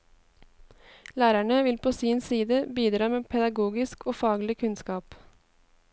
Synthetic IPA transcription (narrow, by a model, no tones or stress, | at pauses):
læːɾæɳəʋɪlpʰoːsiːnsiːd̪əbiːd̪ɾɑːmeːpʰɛd̪ɑɡuːɡɪskoːfɑːɡlɪkʰʉnskɑːp